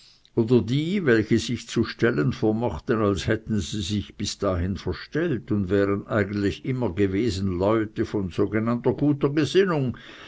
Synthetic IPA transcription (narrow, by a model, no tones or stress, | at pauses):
oːdɐdiːvɛlçəzɪçt͡suʃtɛlənfoːɐmɔχtənalshɛtn̩ziːzɪçb̥ɪsd̥aːhɪnfɛɐʃtɛltʊndvɛːʁənʔaɪɡən̩tlɪçʔɪmɐɡəveːzn̩lɔʏtəfɔnz̥oːɡenantɐɡuːtɐɡəzɪnʊŋ